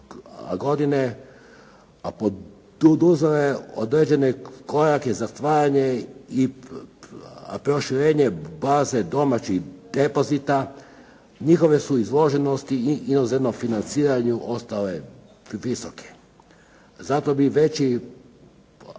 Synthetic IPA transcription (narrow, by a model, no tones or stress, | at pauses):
a̰ɡo̞d̪ine | apo | d̪ud̪uzeleod̪ɾed͡ʑe̞neko̞ɾakezast̪ʋaːɾaɲei | pɾo̞ʃiɾeːɲebaːzed̪o̞mat͡ɕixd̪̥e̞po̞zit̪a | ɲixo̞ʋe̞suizlo̞ʒenost̪iinozeʋnofinant̪siːɾaɲuʔo̞st̪ale | ʋisoke̥ | zat̪o̞biʋe̞t͡ɕi